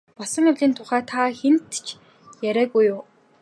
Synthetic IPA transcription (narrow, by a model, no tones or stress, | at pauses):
pɔsə̆ŋʊɮʲiːnt̪ʰʊχæːt̪ʰaxen̥t̪t͡ɕʰ | jæɾʲæːɣujʊː